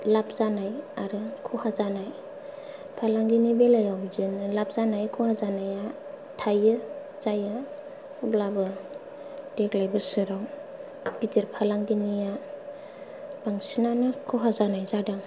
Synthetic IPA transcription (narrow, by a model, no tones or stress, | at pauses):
lap̚ʰzanajaɾɯkʰɔhazanaj | pʰalaŋɡinibelajawzɯnɯlap̚zanajkʰɔhazanaja | tʰajɯ | zaja | ublabɯ | d̥eklajbɯsɯɾaw | d̥itiɾpʰalaŋɡinija | baŋsinanɯkʰuɦazanajzadaŋ